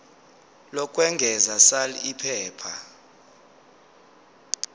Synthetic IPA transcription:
lɔkʼwɛŋɡʱɛzasaliipʰɛːpʰa

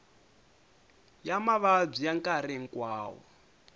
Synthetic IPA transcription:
jamaβab͡ʐijaŋkʼaɾeŋ̩kwaːwɔ̰

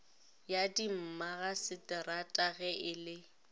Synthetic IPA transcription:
jadim̩maɣasɪtʼɪratʼaɣɛʔɪlɪ

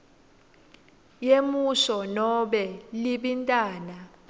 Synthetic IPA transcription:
jemuʃɔnɔɓɛliɓintʼaːna

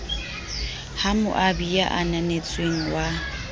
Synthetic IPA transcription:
hamʊ̰ʔabija̰ʔananet͡sʼweŋ̩wa

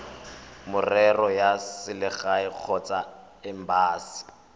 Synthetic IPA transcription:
mʊrɛrɔjasɪlɪɣaɪq͡χʰɔt͡sʼa | ɪm̩baːsɪ̥

